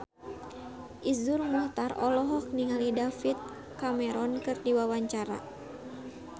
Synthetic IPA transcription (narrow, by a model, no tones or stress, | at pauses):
ʔizurmuht̪arɔlɔɦɔk̚niŋalidafit̪̚ | kamɛɾɔnkɨrdiwawaɲt͡ʃaɾa̰